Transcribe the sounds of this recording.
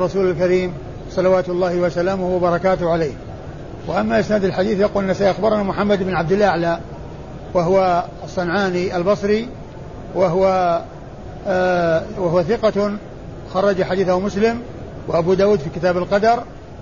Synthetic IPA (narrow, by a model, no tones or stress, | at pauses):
rˤːɑsuːlalkaɾiːm | sˤɑlɑwaːt̪ɑlˤːɑːhɪwasalaːmʊhwabɑɾˤɑkaːt̪ʊhʕalejh | wɪʔamːaʔɪsnaːd̪alħad̪iːθjaquːlɪnːasaːiʔaxbɑɾˤnamʊħamːad̪ɪbnʕab̚d̪ɪlʔaʕla | waɦʊwa | sˤːɑnʕaːniʔalbɑsˤɾi | waɦʊwa | waɦʊwaθɪqɑ | xɑrˤːɑd͡ʒaħad̪iːθahʊmʊslɪm | wɪʔabuːd̪aːwuːd̪fiːkɪt̪aːbalqɑd̪ɑɾˤ